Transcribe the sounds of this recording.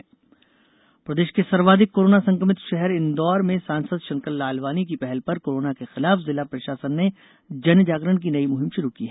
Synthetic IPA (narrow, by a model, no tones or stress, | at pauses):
pɾɐd̪eːʃkesɐɾʋaːd̪ɪkːoːɾoːnasɐ̃ŋkəmɪt̪ʃɛɦɛɾɪnd̪ɔːɾmẽsãːnsəd̪ʃɐ̃ŋkəlːaːlʋaːnik̬ipɛɦɛlpɐɾkoːɾoːnakexɪlaːfzɪlapɾɐʃaːsənːe | d͡ʒɐnd͡ʒaːɡɾəñk̬inɐimʊɦɪmʃʊɾukiɦɛː